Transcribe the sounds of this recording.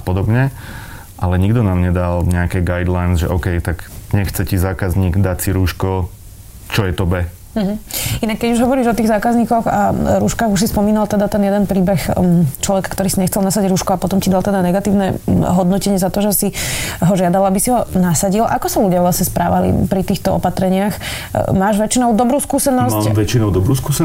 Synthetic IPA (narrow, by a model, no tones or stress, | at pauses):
apɔd̪ɔbɲɛ | ʔalɛɲiɡd̪ɔnaːmɲɛd̪alɲɛakɛɡajd̪lajnzʒɛ̰ʔɔkɛjt̪aɡɲɛxt͡sɛcizaːkazɲiːɡd̪acsiɾuːʃkɔ | t͡ʃɔjɛt̪ɔbɛ | m̩ɦ̩inakːɛɟuʒɦɔʋɔɾiːʒɔt̪iːɣzaːkazɲiːkɔɣa̰ɾuːʃkaːɣuʃsispɔmiːnalt̪ɛd̪at̪ɛnjɛd̪ɛnpɾiːbɛxt͡ʃlɔʋɛkḁkt̪ɔɾiːsiɲɛxt͡sɛlnasaɟɟɾuːʃkɔapɔt̪ɔmcid̪alt̪ɛd̪anɛɡat̪iːʊnɛɦɔd̪nɔcɛɲɪɛzat̪ɔʒɛsiɦɔʒɪad̪alabisiɦɔnasaɟilʔakɔsaluɟɪaʋlasɲɛspɾʔa̰ːʋalḭpɾit̪iːxt̪ɔɔ̰pat̪ɾɛɲɪax | maːʒʋɛt͡ʃinɔʊd̪ɔbɾuːskuːsɛnɔsaʋɛt͡ʃinɔʊd̪ɔbɾuːskuːs